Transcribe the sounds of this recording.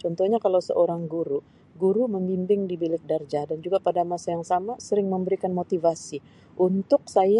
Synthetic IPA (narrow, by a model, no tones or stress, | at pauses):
t͡ʃɔnt̪ɔhɲakalawsə̰ʔoɾaŋɡuɾu | ɡuɾuməmbimbɪŋdibilɪk̚dard͡ʒadand͡ʒuɡapadamasajaŋsamasəɾɪŋməmbəɾikanmot̪ivasi | ʔunt̪ʊk̚saj